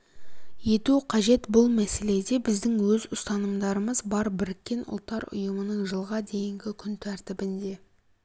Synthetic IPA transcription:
je̞t̪uqʰɑʒe̞t̪bʊlˠmæse̞le̞d̪e̞bɪzd̪ɪŋwɵzʊst̪ɑnəmd̪ɑɾəməzbɑɾbɪɾɪkʲːe̞nʊ̰lˠt̪ːɑɾʊ̰jəmənəɴʒəlˠʁɑd̪e̞jɪŋɡʲɪkʲʰʏnt̪ʰæɾt̪ɪbɪnd̪e̞

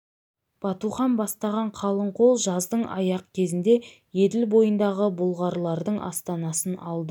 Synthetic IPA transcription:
b̥ɑt̪uχɑnbɑst̪ɑʁɑɴqʰɑlˠəɴqʰo̞lˠʒɑzd̪əɴɑ̰jɑq̚kʲʰe̞zɪnd̪e̞ | je̞d̪ɪlbo̞jənd̪ɑʁəbʊlˠʁɑɾlˠɑɾd̪əɴʔɑ̰st̪ɑnɑsənɑlˠd̪ə

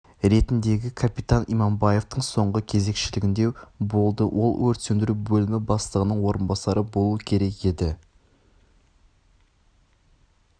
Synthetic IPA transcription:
ɾe̞t̪ɪnd̪e̞ɡʲɪkʰapit̪ɑnḭmɑmbɑje̞ft̪əɴso̞ɴʁəkʲʰe̞ze̞kʃɪlɪɡʲɪnd̪e̞bo̞lˠd̪əwʔo̞lˠwɵɾt̪send̪ɪɾubɵlɪmɪbɑslˠəʁənəɴwo̞ɾənbɑsɑɾəbo̞lˠuəkʲʰe̞ɾe̞ke̞d̪ɪ

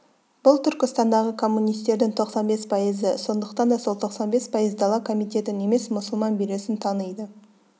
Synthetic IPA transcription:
b̥ʊlˠt̪ʰʏɾkʲɪst̪ɑnd̪ɑʁəkʰo̞mːunijst̪e̞ɾd̪ɪŋt̪ʰo̞qsɑnbe̞spʰɑjəzəso̞nd̪əqt̪ɑnd̪ɑsolˠt̪ʰo̞qsɑnbe̞spʰɑjəzd̪ɑlˠɑkʰo̞mijt̪e̞t̪ɪne̞me̞smʊsəlˠmɑnbijɾe̞sɪnt̪ʰɑnəjd̪ə

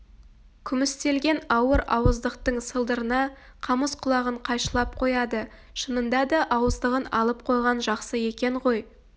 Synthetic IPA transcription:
kʲʰʏmɪst̪e̞lɡʲe̞nɑwəɾɑwəzd̪əqt̪əɴsəlˠd̪əɾənɑ | qʰɑməsqʰʊlˠɑʁəɴqʰɑjʃəlˠɑp̚qʰo̞jɑd̪ə | ʃənənd̪ɑd̪ɑʔɑwəzd̪əʁənɑ̰lˠəp̚qʰo̞jʁɑnʒɑqsəe̞kʲe̞ɴʁo̞j

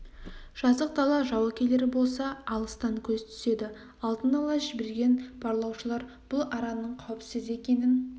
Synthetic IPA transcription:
ʒ̥ɑzəq̚d̪ɑlˠɑʒɑwɑkʲʰele̞ɾɪbo̞lˠsɑːlˠəst̪ɑŋkʲʰɵzt̪ʰʏ̥se̞d̪ɪ | ɑlˠd̪ənɑlˠɑʒɪbe̞ɾɡʲe̞nb̥ɑɾlˠɑwʃəlˠɑɾ | b̥ʊlˠɑɾɑnːəɴqʰɑwpsɪze̞kʲe̞nɪn

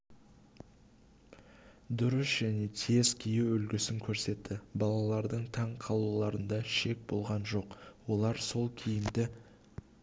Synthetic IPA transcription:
d̪ʊɾəsʒ̥æne̞t̪ʰe̞zkʲʰijuwɵlɡʲɪsɪŋkʲʰɵɾse̞t̪ʰːɪbɑlˠɑlˠɑɾd̪əɴt̪ʰɑɴqʰɑlˠulˠɑɾənd̪ɑʃe̞k̚bo̞lˠʁɑnʒo̞qwo̞lˠɑɾso̞lˠkʲʰijɪmd̪ɪ

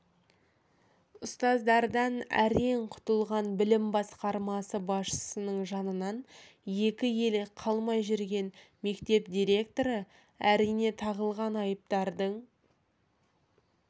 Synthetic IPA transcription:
ʊst̪ɑzd̪ɑɾd̪ɑnæ̰ɾeɴqʰʊ̥t̪əlˠʁɑnbɪlɪmbɑsqɑɾmɑsəbɑsʃə̥sənəɴʒɑnənɑn | je̞kʲɪje̞lqʰɑlˠmɑjʒʏɾɡʲe̞n | me̞kt̪e̞p̚d̪ʲiɾʲe̞k̚t̪o̞ɾə | æɾijne̞t̪ʰɑʁəlˠʁɑnɑjəp̚t̪ɑɾd̪əɴ

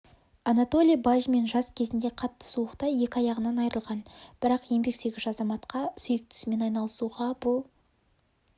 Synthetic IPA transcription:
ɑnat̪o̞lʲijbaʒme̞nʒɑskʲʰe̞zɪnd̪e̞qʰɑt̪ːə̥suəqt̪ɑje̞kʲɪɑjɑʁənɑnɑjɾəlˠʁɑnb̥ɪɾɑqje̞mbe̞kse̞ɡʲɪzɑzɑmɑt̪qʰɑsʏjɪk̚t̪ɪ̥sme̞nɑjnɑlˠəsuʁɑbʊlˠ

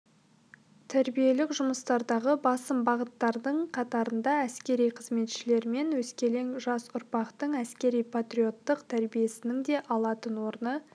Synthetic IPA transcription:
t̪ʰæɾbije̞lɪkʒʊməst̪ɑɾd̪ɑʁəbɑsəmbɑʁət̪ːɑɾd̪əɴqʰɑt̪ɑɾənd̪ɑæskʲe̞ɾijqʰəzme̞t̪ʃɪle̞ɾɪme̞nwɵzkʲe̞le̞ŋʒɑsʊɾpɑqt̪əɴæskʲe̞ɾijpʰat̪rijo̞t̪ːəqt̪ʰæɾbije̞sɪnɪŋd̪e̞ʔɑlˠɑt̪ənwo̞ɾənə

